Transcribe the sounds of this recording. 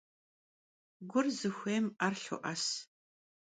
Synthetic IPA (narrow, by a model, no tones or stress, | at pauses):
ɡʷʊrzɨxʷeːmarɬʊ̰ʔɐs